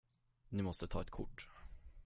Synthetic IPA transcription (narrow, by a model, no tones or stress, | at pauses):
nɪmɔst̪ət̪ʰɑːɛt̪kʰʊ̰ʈː